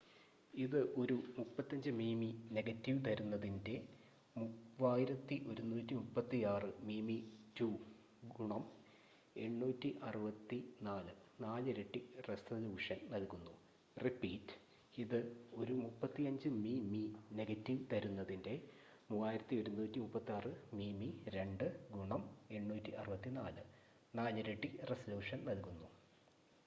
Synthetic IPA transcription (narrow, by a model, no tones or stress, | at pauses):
iðɨʔo̞ɾumupːɐt̪ːɐɲd͡ʑɨmiːmine̞ɡɐtːiʋt̪ɐɾunːɐðinde̞ | muaːjiɾɐt̪ːiʔo̞ɾunːuːtːimupːɐt̪ːijaːrɨmiːmituː | ɡuɳɐm | e̞ɳːuːtːiʔɐrɨʋɐt̪ːinaːlɨnaːlɨɾeʈːiresɐluːʂɐnnɐlkunːu | ripiːtː | iðɨo̞ɾumupːɐt̪ːiɐɲd͡ʑɨmimine̞ɡɐtːiʋt̪ɐɾunːɐðinde̞ | muːaːjiɾɐt̪ːio̞ɾumːuːtːimupːɐt̪ːiaːrɨmiːmiɾe̞ɳɖɨɡuɳɐme̞ɳːuːtːiʔɐ̰rɨʋɐt̪ːinaːlɨ | naːlɨɾeʈːiresɐluːʂɐnnɐlkːunːu